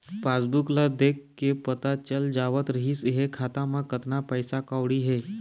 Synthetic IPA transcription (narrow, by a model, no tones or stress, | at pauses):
paːsbuklad̪ekkːepət̪at͡ʃəld͡ʒaʋət̪ɾəɦisɦekʰaːt̪amãkət̪napəjsakaʋɽiɦeː